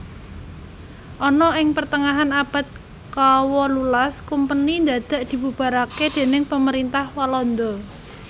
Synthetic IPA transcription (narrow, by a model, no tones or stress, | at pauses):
ʔɔnɔɪŋpərt̪əŋaɦanab̥ä̤t̪̚ | kawɔlulaskumpənind̪ad̪̥a̤ʔd̪̥i̤bub̥a̤ɾaked̪̥e̤nɪŋpəməɾint̪ahwalɔnd̪ɔ